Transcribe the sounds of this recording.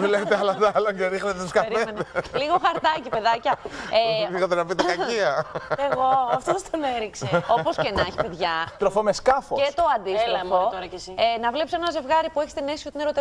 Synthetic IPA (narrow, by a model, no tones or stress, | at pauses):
let̪eɐlɐd̪ɐlɐceɾixnet̪et̪oskɐɾement̪eliɣoxɐɾt̪ɐcipe̞ðɐcɐevɣot̪eɾɐpit̪ekɐiɐeɣoɐft̪ost̪oneɾikseo̞po̞scenɐçipeðʝɐt̪ɾofomeskɐfoest̪o̞ɐnd̪ilɐfot̪oɾɐcesinɐvlepsenɐze̞vɣɐɾipueçi̥st̪inesiot̪ineɾo̞t̪e